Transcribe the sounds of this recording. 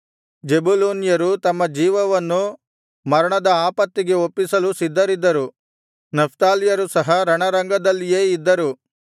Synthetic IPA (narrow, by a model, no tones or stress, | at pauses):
d͡ʒebuloːnijɐɾut̪ɐmːɐd͡ʒiːʋɐʋɐnːu | mɐɾɐɳɐd̪ɐaːpɐt̪ːiɡe̞opːisɐlusid̪ːɐɾid̪ːɐɾu | nɐpʰt̪aːlijɐɾusɐɦɐɾɐɳɐɾɐŋɡɐd̪ɐlːijeːid̪ːɐɾu